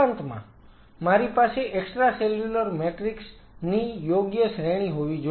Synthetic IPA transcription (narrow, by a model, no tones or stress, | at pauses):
ant̪mã̰ | maɾipaseʔeksʈɾaseljuləɾmeʈɾiks | nijoɡjəsɾeɽ̃iɦoʋid͡ʒ